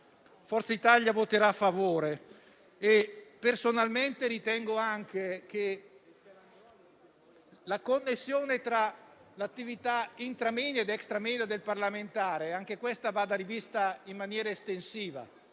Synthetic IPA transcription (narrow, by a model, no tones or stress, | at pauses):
fɔrt̪sait̪aʎjavot̪eɾafːavoːɾe | epersonalment̪eɾit̪ɛŋɡoaŋk̟ek̟e | lakonːesːjoːnet̪ɾalat̪ːivit̪aint̪ɾamenaed̪ɛkst̪ɾameːnad̪elparlament̪aːɾeaŋk̟ekwest̪avad̪aɾivist̪aimːanjɛːɾaest̪ensiːva̰